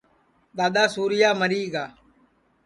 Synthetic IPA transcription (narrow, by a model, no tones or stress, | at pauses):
ɗ̪aːɗ̪aːsuːɾɪjaːməɾiːɡaː